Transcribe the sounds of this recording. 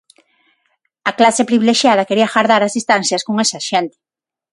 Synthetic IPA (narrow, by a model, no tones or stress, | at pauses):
ɐklasepɾiβileʃjaðɐkeɾiɐxaɾðaɾɐzðist̪an̟θjɐskoŋesɐʃɛnt̪ɪ̥